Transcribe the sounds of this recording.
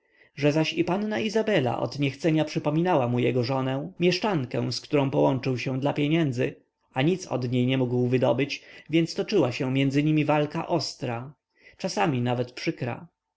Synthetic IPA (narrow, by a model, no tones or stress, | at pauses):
ʐɛzaɕipannaizabɛla̰ʔɔ̰d̪ɲɛxt̪sɛɲapʂɘpɔmʲinawamujɛɡɔʐɔnɛ̃mʲjɛʂt͡ʂaŋkɛ̃w̃skt̪uɾɔ̃w̃pɔwɔnt͡ʂɘwɕɛ̃d̪lapʲjɛɲɛnd̪zɘ | aɲit̪sɔ̰d̪ɲejɲɛmuɡwvɘd̪ɔbɘt͡ɕvʲjɛnt̪st̪ɔt͡ʂɘwaɕɛ̃mʲjɛnd̪zɘɲimʲivalka̰ʔɔst̪ɾa | t͡ʂasamʲinavɛt̪pʂɘkɾa̰